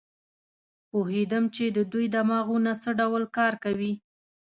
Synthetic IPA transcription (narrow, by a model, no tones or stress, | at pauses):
pohed̪əmt͡ʃed̪əd̪ujd̪amɑɣunasəɖawlkɑɾkawi